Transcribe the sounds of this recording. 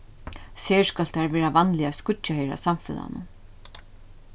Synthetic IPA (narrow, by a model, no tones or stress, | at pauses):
seːskalt̪aɾvɛːɾavanlɪavskʊaheːɾa̰samfɪ̰ða̰nʊ̰